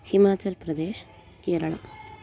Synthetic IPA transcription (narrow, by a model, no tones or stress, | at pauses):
himaːt͡ɕɐlpɾɐd̪eːʃ | keːɾɐɭɐ̰m